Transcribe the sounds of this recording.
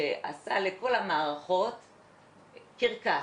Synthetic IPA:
eʔa̰saleko̞lamaːʁaχo̞t | kiʁka

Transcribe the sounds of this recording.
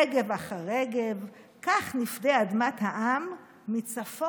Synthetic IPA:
ɡevaχaʁeɡev | kaχnifdead̪mat̪haʔamː | it͡safo

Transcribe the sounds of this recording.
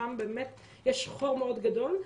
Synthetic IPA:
ambeːmet̪ | jɛʃχoʁmeod̪ɡad̪o̞l

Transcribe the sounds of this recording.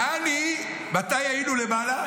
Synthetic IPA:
ani | batajailulebala

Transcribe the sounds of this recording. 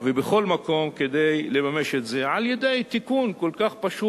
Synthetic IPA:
vebeχo̞lmako̞mke̞d̪ejle̞mame̞ʃet̪ze̞ʕalje̞d̪e̞jt̪ikunko̞lkaχpaʃu

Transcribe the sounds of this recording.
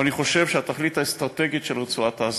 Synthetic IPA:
aniχo̞ʃe̞vʃeat̪aχlit̪haest̪ʁat̪e̞ɡiʃelʁet͡suataːz

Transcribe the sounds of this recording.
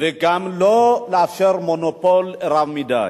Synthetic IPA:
veɡamlɔlafɛɾmɔnɔpɔlɛɾavmida̰

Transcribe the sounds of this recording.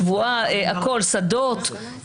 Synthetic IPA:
vuaeako̞lsad̪ot̪

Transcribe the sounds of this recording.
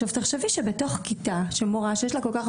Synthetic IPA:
ovtaχʃeviʃebeto̞χkit̪aʃemoʁaʃejeʃ̬lakolkaχ

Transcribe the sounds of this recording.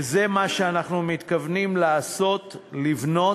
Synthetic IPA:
zemaʃeanaχnumit̪kavnimlaːso̞t̪livno̞

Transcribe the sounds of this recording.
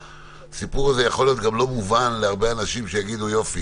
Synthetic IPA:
sipuʁaze̞jaχo̞lijo̞t̪̚ɡamlo̞muvanleaʁbe̞anaʃimʃejaɡid̪ujo̞fi

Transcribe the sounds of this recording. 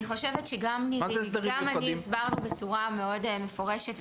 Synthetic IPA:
iχo̞ʃevetʃeɡamnimazɛsd̪ɐʁiɡamanisbaʁnube̞t͡suʁame̞o̞dmefo̞ʁeʃet

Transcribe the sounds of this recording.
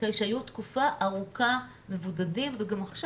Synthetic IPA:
ajʃajutkufaʔaʁuka | me̞vudadimveɡamaχʃ

